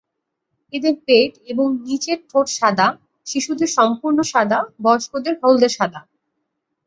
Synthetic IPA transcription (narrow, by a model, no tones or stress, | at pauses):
ed̪eɾpeʈeboŋnit͡ɕeɾʈʰoʈʃad̪ʱa | ʃiʃud̪eɾʃɔmpuɾnoʃad̪ʱabɔʃkod̪eɾɦold̪eɾʃad̪ʱa